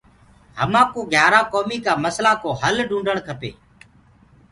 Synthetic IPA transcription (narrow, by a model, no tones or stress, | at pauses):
ɦəmãːkoːɡʱjaːɾaːkoːmiːkaːməslaːkoːɦəlɖũːɳɖʱəɳkʰəpḛː